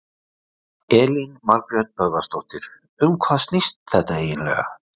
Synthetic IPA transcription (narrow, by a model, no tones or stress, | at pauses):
ɛːlinmaɾkɾɛt̪̚pœɣast̪owht̪ɪɾ̥ | ʏmkʰvaːðst̪nɪst̪θɛht̪aeːjɪnlɛ̰ːɣa̰